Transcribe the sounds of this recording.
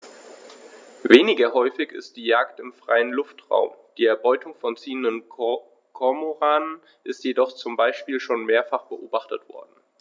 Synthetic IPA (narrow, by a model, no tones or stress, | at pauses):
veːnɪɡɐɦɔʏfɪçɪ̰st̚d̥iːjaːktɪmfʁ̥a̰ɪənlʊftʁ̥a̰ʊmd̥iːɛɐbɔʏtʰʊŋfɔnt͡siːəndən | kʰɔmoʁaːnən | ʔɪstjedɔχt͡sʊmbaɪʃpiːlʃoːnmeːɐfaχb̥əʔoːbaχtətv̥ɔ̰ɐdn̩